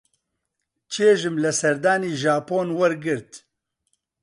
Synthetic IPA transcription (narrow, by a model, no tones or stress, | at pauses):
t͡ʃʰeːʒɨmlɛsɛɾd̪aːniːʒaːpoːnwɐɾɡɨɾt̪